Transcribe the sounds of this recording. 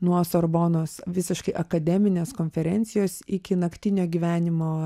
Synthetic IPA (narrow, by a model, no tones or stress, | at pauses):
nuɔsɐɾboːnoːsʋʲɪsʲɪʃkɐɪʔɐkɐd̪ʲɛmʲɪnʲeːskoːnʲfʲɛɾʲɛnʲt̪sʲɪjoːsɪkʲɪnɐkʲt̪ʲɪnʲoːɡʲiːʋʲæːnʲɪmoː